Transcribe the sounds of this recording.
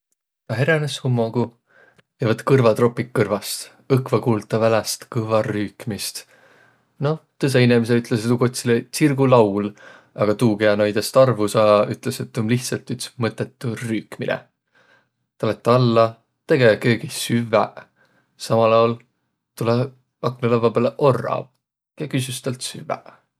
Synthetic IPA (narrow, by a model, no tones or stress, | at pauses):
kɑɦeɾeneshumːoɡ̥u | ɑvɑt̪ːkɯrvɑt̪ro̞pːikːɤrvɑst̪ | ɤkvɑkuːlt̪ːˑɑvælest̪kɯvɑryːkmist̪ | no̞t̪ɤs̬einemes̬eyt̪ˑleset̪ukot̪ʲsilesirɡulɑwl | ɑɡ̥ɑt̪uːkeɑnɑjd̪est̪ɑrvusɑːyt̪ˑleset̪ːomliht̪sɑlt̪ːyt̪smɤt̪ːˑet̪ːˑuryːkmilɛ̰ | t̪ɑlet̪ːˑɑlːɑ | t̪e̞ɡekø̞ːɡ̥isyvːæ | sɑmɑlɑwl | t̪ule | ɑknelɑvɑbeleʔorːɑ̰ | kjɑkys̬yst̪ɑlt̪syvæ̰